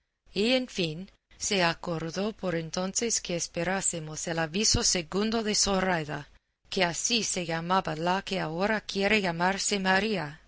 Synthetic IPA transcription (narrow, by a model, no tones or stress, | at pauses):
ienfin | se̞akoɾðopo̞ɾe̞nt̪o̞nseskeespe̞ɾasemoselaβisoseɣund̪oðe̞sorajða | keasise̞ʝamabalakeaoɾakjeɾeʝamaɾsemaɾia